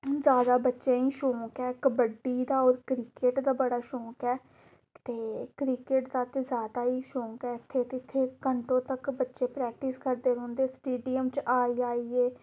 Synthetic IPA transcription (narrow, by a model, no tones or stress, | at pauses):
zjaːd̪aːbətːʃeːiːʃõːkɛːkəbəɖːiːd̪aːɔːɾkɾiːkeːʈd̪aːbəɽaːʃõːkɛː | t̪eːkɾiːkeːʈd̪aːt̪eːzjaːd̪aːiːʃõːkɛːɪt̪ʰːeːt̪ep̪ʰːɪɾkəɳʈõːt̪əkbətːʃeːpɾɛːk̚ʈɪskəɾd̪eːɾõːnd̪eːsʈeːɖijəmt͡ʃaːiːaːiːeː